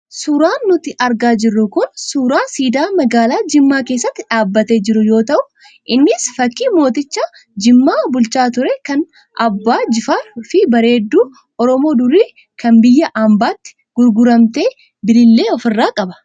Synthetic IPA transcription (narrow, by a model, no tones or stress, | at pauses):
suːɾaːnːʊt̪ɪʔɐɾɡaːd͡ʒɪrːʊkʊnsuːɾaːsiːd̪aːmɐɡaːlaːd͡ʒɪmːaːke̞ːsːɐt̪ːɪᶑaːbːɐt̪eːd͡ʒɪɾʊjo̞ːt̪ɐʔʊ | ʔɪnːɪsfɐkːiːmo̞ːt̪ɪt͡ʃːa | d͡ʒɪmːaːbʊlt͡ʃaːt̪ʊɾɛkɐn | ʔɐbːaːd͡ʒɪfaːfɪbɐɾe̞ːd̪ːuː | ʔɔɾɔmo̞ːd̪ʊɾiː | kɐnbɪjːɐʔambaːt̪ːɪ̥ | ɡ̥ʊɾɡʊɾɐmt̪e̞ː | bɪlɪlːe̞ːɔfɪrːaːkʼɐbɐ̥